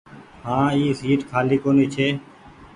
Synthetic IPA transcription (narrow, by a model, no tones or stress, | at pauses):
hãːiːsiːʈkʰaːliːkoːniːt͡ʃʰeː